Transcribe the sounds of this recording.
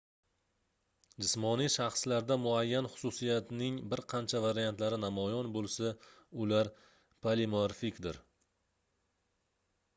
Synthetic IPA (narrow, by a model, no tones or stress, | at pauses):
d͡ʒɪsmɒnijʃɑχslaɾd̪amʊajːanχʊ̥sʊsijat̪nɪŋbɪɾqʰɑnt͡ʃʰavaɾijant̪laɾɪnamɒjɒnbolˠsaʊlaɾ | pʰalimoɾfikʲd̪ɪɾ